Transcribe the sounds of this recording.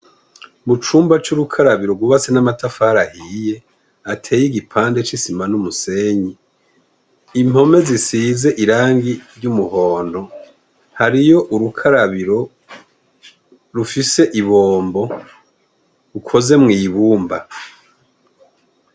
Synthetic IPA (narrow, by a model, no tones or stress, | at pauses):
mut͡ʃuːmbat͡ʃuɾukʰaɾaβiɾo̞ɡuβat͡senamatafaɾahije̞ | atʰe̞ːjiɡipʰaːnde̞t͡ʃisimanumuse̞ɲi | im̥ho̞me̞zisize̞ʔiɾaːŋɡiɾɟumuɦo̞ːndo̞ | haɾijo̞ʔuɾukʰaɾaβiɾo̞ | ɾufise̞ʔiβoːmbo̞ | ukʰo̞ze̞mŋiːβuːmba